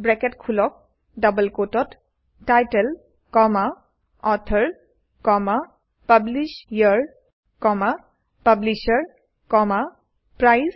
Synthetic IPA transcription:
bɹɛkɛtkʰulɔk̚ | dabəlkotɔt | tajtɛl | kɔma | ɔtʰəɹ | kɔma | pablisjəɹ | kɔma | pabliʃaɹ | kɔma | pɹajz

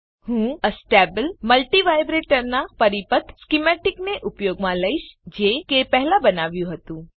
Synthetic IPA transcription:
hũəsʈebəlməlʈiʋajbɾeʈəɾnapəɾipət̪ʰskimɛʈikneʔupjoɡmãləiʃd͡ʒekepɛɦlãbənaʋjũɦət̪ũ

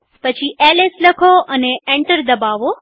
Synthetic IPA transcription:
pɐt͡ʃʰiʔeːlɪslɐkʰoʔɐneẽːɳʈəɾd̪ɐbaːʋo

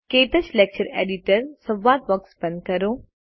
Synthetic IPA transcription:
keːt̪ət͡ɕleːk̚t͡ɕəɾḛːɖiʈəɾsɐ̃ʋːaːt̪ʋɐkspɐnkɐɾoː

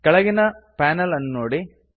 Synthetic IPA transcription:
kɐɭɐɣinɐpaːnɐlɐnːoːɽi

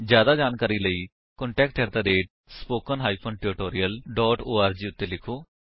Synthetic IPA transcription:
d͡ʒjaːd̪aːd͡ʒaːnkaːɾiːləiː | kɔ̃ɳʈɛːk̚ʈɛːɾt̪aːd̪eːʈ̚ | spoːkənɦaːipʰoːnʈeːɾɪʈoːɾijəlɖɔːʈoːaːɾd͡ʒiːʊt̪ːeːlɪkʰoː

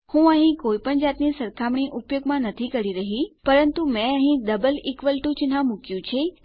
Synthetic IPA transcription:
hũəɦĩkoipəɳd͡ʒat̪nisəɾkʰamɳiʔupjoɡmãnət̪ʰikəɾiɾəɦipəɾənt̪umɛ̃əɦĩd̪əbəlikʋəlʈũt͡ʃɪnɦãmũkjũt͡ʃʰe

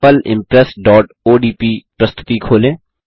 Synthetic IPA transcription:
əlɪ̰̃mpɾɛsɖɔːʈ | oːɖiːpiːpɾəst̪ʰɪ̥t̪ikʰoːlẽː

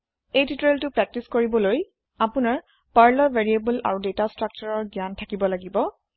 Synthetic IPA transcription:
ejtitɹeltʊpɹɛk̚tiskoɹibɔloj | apʊnaɹ | paɹlɔɹveɹiebəla̰ɹudetastɹak̚t͡ʃaɹɔɹɡjantʰakibɔlaɡibɔ

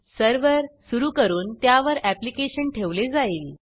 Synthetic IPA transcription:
səɾʋəɾsuɾuːkəɾuːnt̪jaʋəɾæplikeɕənʈʰeʋled͡zaiːl

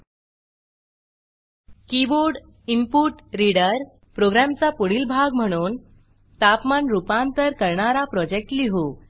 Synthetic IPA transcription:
kiboɾɖ | impuʈɾiɽəɾ | pɾoɡɾamt͡sapuɽiːlbʱaɡm̤əɽ̃uːn | t̪apmanɾupãnt̪əɾkəɾɳaɾapɾɔd͡ʑek̚ʈliɦu

